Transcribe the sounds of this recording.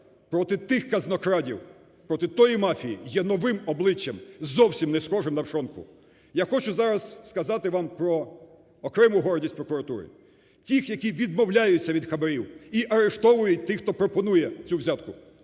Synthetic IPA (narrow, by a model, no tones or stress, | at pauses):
pɾɔt̪ɪt̪ɪxkɐznɔkɾɑdʲiw | pɾɔt̪ɪt̪ɔjimɑfʲijijɛnɔʋɪmɔblˠɪt͡ʃʲːɐmzɔwsʲimnɛsxɔʒɪmnɐwʃɔnkʊ̰ | jaxɔt͡ʃʊzɑɾɐzskɐzɑt̪ɪʋɑmpɾɔː | kɾɛmʊɦɔɾdʲisʲpɾɔkʊɾɐt̪uɾɪ̰ | tʲixjɐkʲiʋʲid̪̚mɔwlʲajʊt͡sʲːɐʋʲid̪xɐbɐɾʲiwiʔɐɾeʃt̪ɔʋʊjʊt̚ʲt̪ɪxt̪ɔpɾɔpɔnujɛt͡sʲuwzʲat̪kʊ